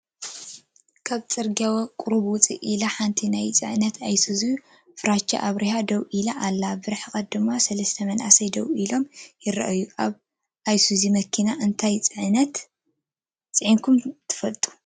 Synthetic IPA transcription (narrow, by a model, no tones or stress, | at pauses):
kʰaβt͡sʼɨɾɡawɐkʼuɾuβwʊt͡sʼḭʔilaħant̪ʰinajt͡sʼɨʕnɐt̪ʰajsuziju | fɨɾat͡ʃːa̰ʔaβɾihad̪ɐwʔilaʔalːabɨɾħkʼɐt̪̚d̪ɨmːasɐlɐst̪ʰɐmɐnʔa̰sɐjd̪ɐwilo̞mjɪɾɐ̰ʔɐjːuʔaβ | ʔajsuzimɐkʰinaʔɨnt̪ʰajt͡sʼɨʕnɐt̪ | t͡sʼɨʕinkʰumt̪ʰɨ̥fɐlt̪ʼu̥